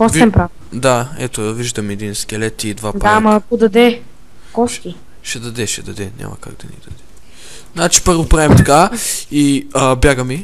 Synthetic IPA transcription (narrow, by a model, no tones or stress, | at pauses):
kɔst̪ɛmpɾaf | d̪aɛt̪oviʒd̪ɐmiɛd̪inskɛlɛt̪id̪vad̪amakʊd̪ɐd̪ɛ | kɔski | ʃɛd̪ɐd̪ɛʃɛd̪ɐd̪ɛnʲa̰mɐ̰ka̰ɡd̪ɐnḭd̪ɐd̪ɛɛ | znat͡ʃi̥pəɾvopɾaɛmt̪ɐkaiəbʲjaɡəmi